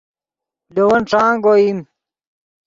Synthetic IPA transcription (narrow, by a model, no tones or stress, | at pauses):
dowɐnʈ͡ʂãːŋɡoim